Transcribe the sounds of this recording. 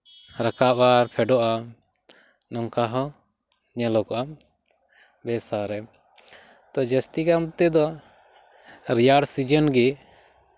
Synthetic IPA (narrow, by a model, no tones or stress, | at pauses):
ɾakaʔaɾpʰɛɖɔʔa | nɔŋkaɦɔ | ɲɛlɔkɔʔam | bɛsaɾɛ | t̪ɔd͡ʒəst̪ikamt̪ɛd̪ɔ | ɾijaɽsid͡ʒənɡɛ